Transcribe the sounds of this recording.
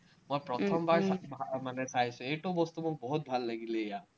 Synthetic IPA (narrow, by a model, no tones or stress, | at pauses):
mojpɾɔt̪ʰɔmbaɹabʱamanesajsʰueʈobɔst̪umuk̚bɔɦut̪̚bʱalːaɡileea